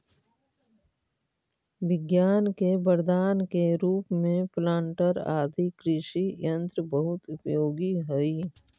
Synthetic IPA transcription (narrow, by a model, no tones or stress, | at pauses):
ʋɪɡjaːnkebəɾd̪aːnkeɾuːpmẽplãːɳʈəɾa̰ːd̪ikɾɪʃijɐ̃nt̪ɾəbəɦʊt̪ʊpjoːɡiɦoi